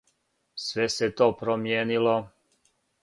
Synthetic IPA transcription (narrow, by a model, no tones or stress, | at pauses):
sʋɛset̪oːpɾomjeːnilo